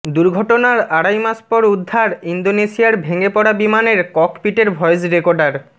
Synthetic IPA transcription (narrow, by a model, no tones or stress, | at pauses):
d̪uɾɡʱɔʈonaɾaɽajmaspɔɾud̪ʱːaɾind̪onesijaɾbʱeŋepɔɽabimaneɾkɔkpiʈeɾbʱɔed͡ʑɾekoɾɖaɾ